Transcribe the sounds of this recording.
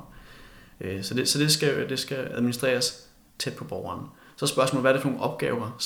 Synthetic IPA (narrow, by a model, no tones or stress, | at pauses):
sɒ̽d̥e̝sɒ̽d̥e̝sɡ̥æd̥e̝sɡ̥ææðˠminisd̥ʁḛːɐs | t͡sʰed̥̚pʰɒ̽b̥ɒʊɐːn | sɒ̽sb̥ɶɐsmɔ̰ːlʋæɐɾefɒno̝ːnʔɒ̽b̥̚ɡ̥ɛːʊɐs